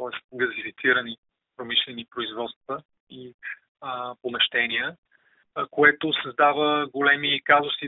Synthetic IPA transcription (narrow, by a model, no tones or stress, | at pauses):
t̪ɔɛst̪̚ɡɐzifit̪siɾəni | pɾomiʃlɛnipɾoizvɔt̪st̪və | i | pomɛʃt̪ɛniə | koɛt̪ʊsɐzd̪avəɡolɛmikazʊsi